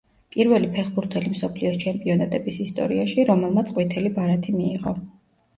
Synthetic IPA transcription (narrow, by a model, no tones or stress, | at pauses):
pʼiɾvɛlipʰɛχbuɾt̪ʰɛlimsɔpʰliɔst͡ʃʰɛmpʼiɔnat̪ʼɛbisist̪ʼɔ̰ɾiaʃiɾɔmɛlˠmat̪sʼqʼwit̪ʰɛlibaɾat̪ʰimiːʁɔ